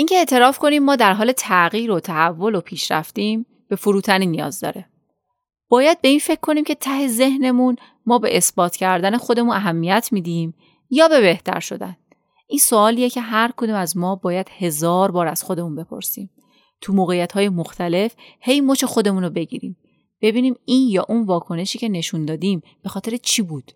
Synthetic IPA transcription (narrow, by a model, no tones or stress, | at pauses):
ʔincʰe̞eʔt̪ʰe̞ɾɒːfkʰo̞niːmːɒːd̪æɾɦɒːle̞t̪ʰæɣiːɾot̪ʰæɦævːo̞lopʰiːʃɾæ̰ft̪iːm | b̥e̞foɾuːt̪ʰæniːnːijɒ̰ːzd̪ɒ̰ːɾe̞ | b̥ɒːjæd̪̚be̞iːnfe̞cʰːo̞niːmcʰe̞t̪ʰæɦe̞ze̞hne̞mun | mɒːbe̞̰ʔesbɒːt̪ʰcʰæɾd̪æne̞xo̞d̪e̞munæɦæmːijæt̪ʰmiːd̪iːm | jɒːbe̞βe̞ht̪æ̰ɾʃo̞̰d̪æ̰n | ʔiːnsoɒːliːjecʰe̞ɦæɾkʰod̪uːmæzmɒːbɒːjæd̪̥he̞zɒːɾbɒːɾæz̥xo̞d̪e̞muːnbe̞pʰo̞̰ɾsiːm | t̪ʰumoːɣejːæt̪hɒːje̞moxt̪ʰæle̞fhe̞jmot͡ʃe̞xo̞d̪e̞munobe̞ɟḭɾḭːm | b̥e̞biːniːmiːnjɒːʔunvɒːkʰo̞ne̞ʃiːcʰe̞ne̞ʃund̪ɒːd̪iːm | b̥e̞xɒːt̪e̞ɾet͡ʃʰiːbuːd̪̥